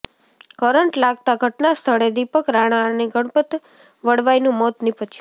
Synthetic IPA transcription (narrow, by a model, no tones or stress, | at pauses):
kəɾəɳʈlaɡt̪aɡʱəʈnast̪ʰəɭed̪ipəkɾaɽ̃aəneɡʱəɽpət̪ | ʋəɽʋajnũmɔt̪nipət͡ʃʰũ